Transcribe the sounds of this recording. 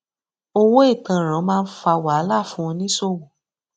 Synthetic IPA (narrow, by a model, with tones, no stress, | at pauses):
o˦wo˦i˦˨tã˨ɾ̃ã˨˦mãː˦˧n̩˦fa˧wa˨a˦la˦˨fũ˦ɔ̃˧nĩ˦so˦˨wo˨